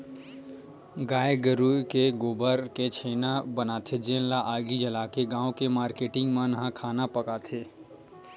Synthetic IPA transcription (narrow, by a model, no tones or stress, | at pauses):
ɡaːjeɡəɾukeɡoːbəɾket͡ʃʰeːnabənaːt̪ʰed͡ʒeːnlaʔaːɡid͡ʒɐlaːkeɡãːõkemaːɾkeːʈɪ̃ŋɡmãnɐɦãkʰaːnapɐkaːt̪ʰeː